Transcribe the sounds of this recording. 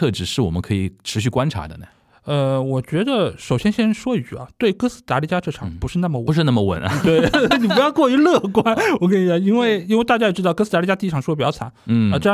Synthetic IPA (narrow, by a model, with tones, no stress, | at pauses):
ɤ˥˧˩ʈ͡ʂɻ̩˨˧˥ʂɻ̩˥˩wɔ˨˩mə˦nkʰɤ˧˥i˨˩ʈ͡ʂʰɻ̩˧˥ɕy˥˩kwa˥nʈ͡ʂʰa̰˧˥d̪ə̰˧nə̰˩ | ə˧wɔ˨˩t͡ɕɥɛ˧˥d̪ə˧ʂo˨˩ʊɕjɛ˥nɕjɛ˥nʂwɔ˥y˨˩ɐ̰˦˩t̪we˥˩kɤ˥sɹ̩˥˩t̪a˧˥li˧˥˩t͡ɕja˥ʈ͡ʂɤ˥˩ʈ͡ʂʰɑ̰˨˧˥ŋpu˧˥ʂɻ̩˥˧na˥˩mə˩wʂɻ̩˥˧na˥˩mə˨wə̰˨˩n˧t̪we˥˩ni˨˩p̬u˧˥jɑ˥˧ʊkwɔ˥˩y˧˥lɤ˥˩kwa˥nwɔ˨˩kə˥ni˧˥ɑ˨˧˥ŋi˥nwe˥˩ɪi˥nwt̪a˥˩t͡ɕa˥jɛ˨˩ʈ͡ʂɻ̩˥t̪ɑ˥˧ʊkɤ˥sɹ̩˧˩a˧˥i˧˩t͡ɕa˥t̪i˧ʂ̬ɑ˨˩ŋʂwɔ˥pjɑ˥˩t͡sʰa̰˧˦n̩˩ə˧ʈ͡ʂɤ˥˧˥